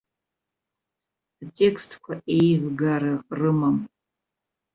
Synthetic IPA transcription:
atʼe̞kʰstʰʼkʷʰaʔe̞jvɡaɾaqʼrɨmam

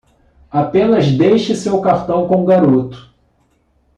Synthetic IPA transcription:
apẽnɐzd̪ejʃɪsewkaɾt̪ɐ̃w̃kõw̃ɡaɾot̪ʊ̥

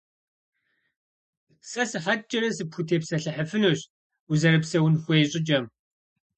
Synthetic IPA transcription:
sɐsɨħɐtt͡ʃʼɐɾɐsɨpʰxutʰeːpsɐɬɨħəfɨnoːɕ | uzɐɾɨpsɐwʊnxʷeːɕʼɪt͡ʃʼɐm

